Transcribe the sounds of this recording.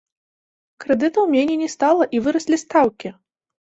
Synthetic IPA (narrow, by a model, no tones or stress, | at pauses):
kɾɛd̪ɨt̪ɐwmʲenʲɛnʲɛst̪alˠɐʔivɨɾɐsʲlʲist̪awkʲi